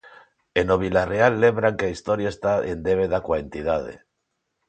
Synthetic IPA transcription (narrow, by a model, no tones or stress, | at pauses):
eno̞β̞ilarealːe̞mbɾaŋkeaist̪oɾjaest̪aend̪eβ̞eðakwaent̪iðað̞ḛ